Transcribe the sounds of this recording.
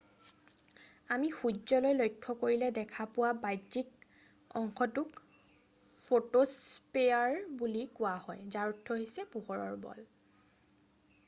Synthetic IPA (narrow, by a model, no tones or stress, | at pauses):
amixuzɔlɔjlojkʰːɔkoɹilɛdɛkʰapʊwabajik | ɔ̰ŋkʰɔtʊk | fʰotospeaɹbulikʊahɔjzaɹutʰːɔɦisɛpuɦɔɹɔ̰ɹbɔ̰l